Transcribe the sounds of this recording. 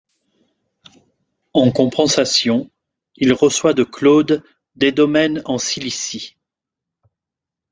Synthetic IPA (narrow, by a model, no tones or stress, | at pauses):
ɑ̃kɔ̃pɑ̃sasjɔ̃ | ilʁəswad̪əklod̪ː | ed̪ɔmɛnɑ̃silisi